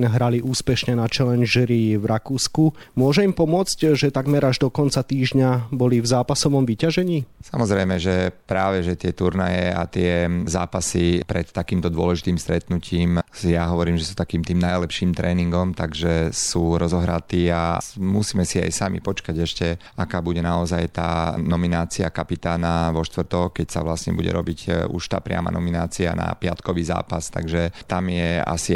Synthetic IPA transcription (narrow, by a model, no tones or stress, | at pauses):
naɦɾaliʔuːspɛʃɲɛnat͡ʃɛlɛnʒɛɾiʋɾakuːsku | mʊɔʒɛimpɔmʊɔt͡scʒɛt̪aɡmɛɾaʒd̪ɔkɔnt͡sat̪iːʒɲabɔlivzaːpasɔʋɔmʋicaʒɛɲiːsamɔzɾɛjmɛʒɛpɾaːʋɛʒɛt̪ɪɛt̪uɾnajɛa̰t̪ɪɛzaːpasipɾɛt̪ːakiːmt̪ɔd̪ʊɔlɛʒit̪iːmst̪ɾɛt̪nuciːmjaɦɔʋɔɾiːmʒɛsuːt̪akiːmt̪iːmnajlɛpʃiːmt̪ɾɛːniŋɡɔmt̪aɡʒɛsuːɾɔzɔɦɾat̪iːamusiːmɛsia̰jsamḭpɔt͡ʃkaɟɛʃcɛ | akaːbuɟɛnaɔzajt̪a̰ːnɔminaːt͡siakapit̪aːnaʋɔʃt̪ʋrt̪ɔkkɛcsa̰ʋlasɲɛ̰buɟɛ̰ɾɔbicṵʃt̪a̰ːpɾɪa̰ma̰nɔminaːt͡sia̰na̰pɪa̰t̪kɔʋiːza̰ːpast̪a̰ɡʒɛt̪amjɛa̰si